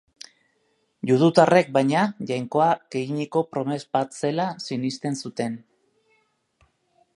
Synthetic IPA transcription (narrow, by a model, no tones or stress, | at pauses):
ʝuð̞ut̪are̞k̚bajɲaʝajŋko̞aɡe̞iɲiko̞pɾo̞me̞zbat̪se̞lasinist̪e̞nsut̪e̞n